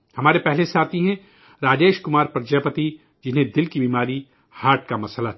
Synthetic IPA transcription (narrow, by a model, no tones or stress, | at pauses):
hɐmaːɾepɛɦlesaːt̪ʰiɦɛ̃ | ɾaːd͡ʒeːʃkʊmaːɾpɾɐd͡ʒapət̪i | d͡ʒɪnɦẽd̪ɪlkibiːmaːɾi | haːɾʈ̚kamɐsəla